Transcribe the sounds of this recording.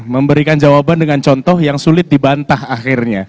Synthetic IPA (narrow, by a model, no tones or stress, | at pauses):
məmbəɾikand͡ʒawabandəŋant͡ʃɔnt̪ɔhjaŋsulɪt̪̚dibant̪ahaxɪrɲa